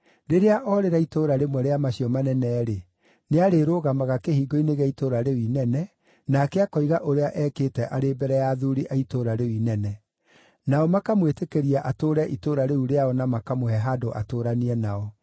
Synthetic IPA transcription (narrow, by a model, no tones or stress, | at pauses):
ɾeɾeaʔɔɾeɾaitoɾaɾemwɛɾeamaɕiɔmanɛnɛːɾe | neaɾeɾoɣamaɣakehiːɡoineɣɛitoːɾaɾewinɛnɛ | nakɛakɔiɣaʔoɾeaʔɛːketɛʔaɾebɛɾɛjaːðuɾiʔaitoːɾaɾewinɛnɛ | naɔmakamwetekeɾiaʔatoːɾɛʔitoɾaɾeuɾeaɔnamakamohɛɦadoʔa̰toːɾaniɛnaɔ